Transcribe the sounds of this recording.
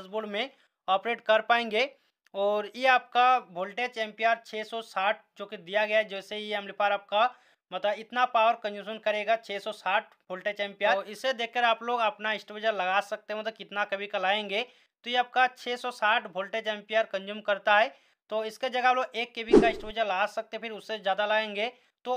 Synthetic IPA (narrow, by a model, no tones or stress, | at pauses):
sbuɽmẽ | ɔːpɾeːʈkɐɾpaːẽːŋɡeː | ɔːɾjeaːp̚kabʱoːlʈet͡ʃɛ̃ːmpɪjaːɾt͡ʃʰɛːsɔsaːʈ̚ʰd͡ʒoːked̪ijaɡɐjaɦɛd͡ʒɛːsejeɛmlipaːɾaːp̚ka | mɐt̪ləbɪt̪napaːʋəɾkɐ̃nd͡ʒuːʃənkɐɾeːɡat͡ʃʰɛːsɔsaːʈ̚ʰbʱoːlʈet͡ʃɛ̃ːmpijaːɪsed̪eːkʰːəɾaːploːɡɐpnaɪsʈʋəd͡ʒəɾlɐɡaːsɐk̚t̪eɦɛ̃mɐt̪ləkɪt̪nakɐbʱikɐlaːẽːŋɡeː | t̪ojeaːp̚kat͡ʃʰɛːsɔsaːʈʰbʱoːlʈet͡ʃɛ̃ːmpijaːɾkɐ̃nd͡ʒumkɐɾt̪aɦɛː | t̪oːɪsked͡ʒɐɡaːploːɡeːkːebʱikaɪsʈʋəd͡ʒəɾlɐɡaːsɐk̚t̪epʰɪɾʊsːezjaːd̪alɐɡẽːŋɡeː | t̪oː